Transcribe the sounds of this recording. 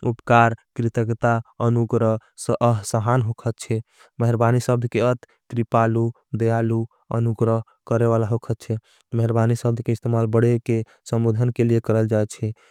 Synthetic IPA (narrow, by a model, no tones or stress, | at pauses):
upkaɾkɾit̪əkt̪aənuɡɾəɦsə̃ʔəɦsəɦanɦokʰət̪̚t͡ʃʰɛ | məɦɾbanisəb̚d̪ʱkeət̪ːɾipalu | d̪əjalu | ə̰nuɡɾəɦ | kəɾeβalaɦokʰət̪̚t͡ʃʰɛ | məɦɾbanisəb̚d̪ʱkeist̪emalbəɽeke | səmbod̪ʱənkeliekəɾəld͡ʒaet͡ʃʰɛ